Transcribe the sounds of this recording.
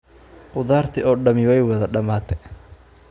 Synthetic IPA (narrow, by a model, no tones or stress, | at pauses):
ʔʊðaːrt̪ʰɪɔːɖɐmɪwɛjwɐðɐɗɐmaːt̪ʰɛ